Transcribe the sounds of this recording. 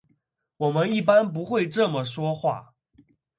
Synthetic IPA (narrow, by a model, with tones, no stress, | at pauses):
wɔ˨˩mə˦ni˥˩p̬a˥˦np̬u˧˦xwe˥˧ɪʈ͡ʂɤ˥˩mə˨˩ʂwɔ˥xwa̰˥˩